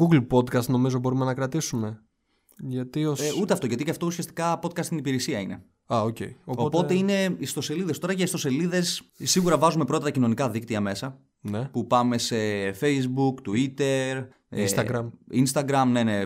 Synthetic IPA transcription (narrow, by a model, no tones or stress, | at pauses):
ɡuɡlpo̞d̪kɐst̪no̞mizo̞bo̞ɾumenɐkɾɐt̪isume̞ | ʝɐt̪iout̪eɐft̪o̞ʝɐt̪iceɐft̪o̞usiɐst̪i̥kɐpo̞t̪kɐst̪inipiɾesiɐine̞̰ | ɐoce̞̰ioo̞tpo̞t̪e̞ine̞ist̪o̞se̞liðe̞st̪o̞ɾɐcɐist̪o̞se̞liðe̞ssiɣuɾɐvɐzume̞pɾo̞t̪ɐt̪ɐcino̞nikɐðik̚t̪iɐme̞sɐ | nepupɐme̞se̞fe̞jzbukt̪uit̪e̞ɾ | ḛst̪ɐɡɾɐminst̪ɐɡɾɐmne̞ne